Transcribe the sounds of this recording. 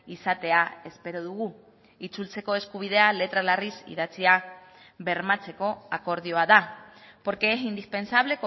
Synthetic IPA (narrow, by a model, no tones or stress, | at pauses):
isat̪e̞ae̞spe̞ɾoðuɣ̞u | it͡sult͡se̞ko̞e̞skuβ̞iðe̞ale̞t̪ɾalarisḭðat͡sia | βe̞ɾmat͡se̞ko̞ako̞ɾðjoaðapo̞ɾke̞esind̪ispe̞nsaβ̞le̞ko